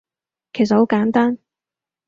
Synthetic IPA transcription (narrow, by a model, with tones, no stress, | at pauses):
kʰe˨˩js̬ɐ˨tho˨˥wkaː˨˥nt̪aː˥n